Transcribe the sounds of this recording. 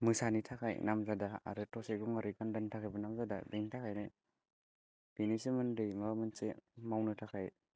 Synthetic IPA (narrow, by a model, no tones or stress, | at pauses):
mɯsanitʰakʰajnamzadaa̰ɾɯtʰɔseɡuŋaɾɯkandanitʰakʰajbɯnamzada̰biŋtʰakʰajnɯ | b̥inisemɯndɯjmamɯnsemawnɯtʰakʰaj